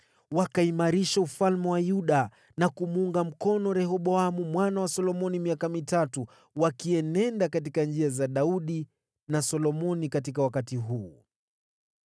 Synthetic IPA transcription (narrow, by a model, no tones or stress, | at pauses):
wakaimaɾiʃaufalmɛwajuɗa | nakumuuŋɡam̩kɔnɔɾɛhɔɓɔamumwanawasɔlɔmɔnimiakamitatu | wakiɛnɛndakat̬ikand͡ʒiazaɗauɗi | nasɔlɔmɔnikat̬ikawakatiɦuː